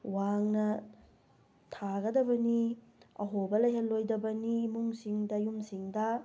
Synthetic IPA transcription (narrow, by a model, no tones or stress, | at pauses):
waŋnɐ | tʰaɡɐdɐbɐni | ɐ̰ɦobɐlɐjɦɐllːojdɐbɐniːmuŋsiŋdɐjumsiŋdɐ